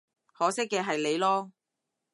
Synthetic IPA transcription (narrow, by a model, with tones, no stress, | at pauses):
hɔː˨˥sɪ˥k̚ːɛː˧ɦɐ˨jle˨˧jlɔː˥